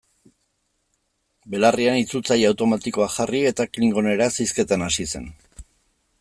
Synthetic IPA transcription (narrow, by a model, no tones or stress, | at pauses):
be̞larianit͡sut͡sajawt̪o̞mat̪iko̞axarie̞t̪akliŋɡo̞ne̞ɾasajske̞t̪anasise̞̰n